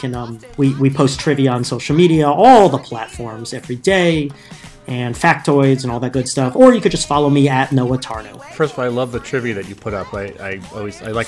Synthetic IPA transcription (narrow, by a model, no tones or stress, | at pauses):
kʰɨ̃nʌ̃m | wiwipʰoʊstʰɹ̥ɪviə̃nsoʊʃl̩ˠmiɾiəɔlˠðəpʰl̥ætfɔɹmzɛvɹideɪ | ɨ̃nfæk̚tʰɔɪdzɨ̃nɔlˠðɨt̚ɡ̥ʊd̥stʌfə˞jɨkɨd̚d͡ʒʌstfɑlˠoʊmiɨtⁿnoʊətʰɑɹnoʊfɜ˞stəvɔlˠaɪlʌvðɨtʰɹ̥ɪvjɨðɨt͡ʃɨpʰʊɾʌpaɪa̰ɪɔlˠwiz̥a̰ɪlaɪk